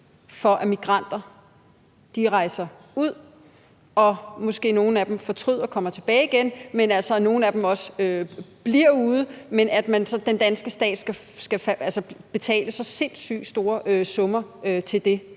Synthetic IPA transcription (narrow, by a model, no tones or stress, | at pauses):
fɒ̽ʔæmiɡ̥ʁɑ̈n̰d̥ɐ | d̥iʁɑ̈ɪ̰sɐ | uð̞̰ˠ | ɒ̽mɔ̽sɡ̥e̝̰ːno̝ːn̩æd̥emfɒ̽t͡sʰʁyð̞̰ˠɐkʰɒ̽m̰ɐt͡sʰe̝b̥ɛ̰ːɪiɡ̥enmenælsɒno̝ːn̩æd̥emɒ̽søb̥liɐ̰uːð̞ˠəmenæd̥mænsɒ̽d̥end̥ænsɡ̥əsd̥ɛ̰ːd̥sɡ̥æ | sɡ̥æfʔælsəb̥e̝t͡sʰɛ̰ːləsɒ̽se̝n̰sy̰ːd̥sd̥o̝ːɐʔøsɔ̽mɐøt͡sʰe̝ld̥e̝